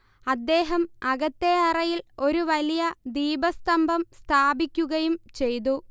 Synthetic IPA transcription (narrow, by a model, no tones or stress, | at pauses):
ɐd̪ːe̞ːɦɐmɐɣɐt̪ːe̞ɐrɐjilo̞ɾuʋɐlijɐd̪iːbɐst̪ɐmbʱɐmst̪ʰaːbikʲːuɣɐjumt͡ɕe̞jt̪̬u